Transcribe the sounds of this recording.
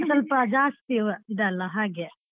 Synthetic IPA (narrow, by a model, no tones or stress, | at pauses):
sɐlpɐd͡ʒaːst̪iʋɐid̪ɐɐlːɐɦaːɡe